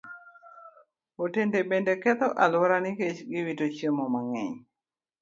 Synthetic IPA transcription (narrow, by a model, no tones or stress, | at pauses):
otendebendekɛt̪ɔʔalwaɾaniket͡ʃɡɪwitot͡ʃəmɔmaŋɛ̰ɲ